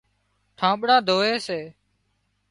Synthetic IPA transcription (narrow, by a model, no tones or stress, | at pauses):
ʈʰãːɓɽãːd̪ʱoːeːseː